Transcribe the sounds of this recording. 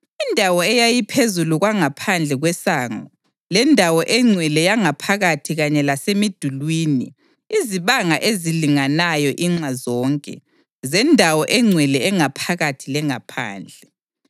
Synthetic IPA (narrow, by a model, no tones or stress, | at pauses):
indʱawɔɛjajipʰezuluɣwaŋapʰand͡ɮʱɛɣwɛsaːŋɔ | lɛndʱawɔʔɛŋ͡ǀʱwɛlɛjaŋapʰaɣatʰiɣaɲɛlasemid̥ʱulwiːnḭ | iziβaŋaʔeziliŋanajɔʔiŋ͡ǀwazɔːŋkʼɛ̰ | zɛndʱawɔʔɛŋ͡ǀʱwɛlɛɛŋapʰaɣatʰilɛŋapʰa̰ːnd͡ɮʱɛ